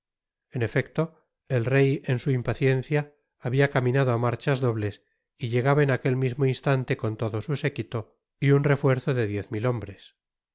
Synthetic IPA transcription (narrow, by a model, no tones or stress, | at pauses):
e̞ne̞fe̞kt̪o̞ | e̞lre̞je̞nsuimpaθje̞n̟θjaː | βiakamĩnað̞oamaɾt͡ʃazðo̞βle̞s | iʎe̞ɣ̞aβaenake̞lmizmoinst̪ant̪e̞ko̞nt̪o̞ðo̞suse̞kit̪o̞ | iunre̞fwe̞ɾθo̞ðe̞ðje̞θmilo̞mbɾe̞s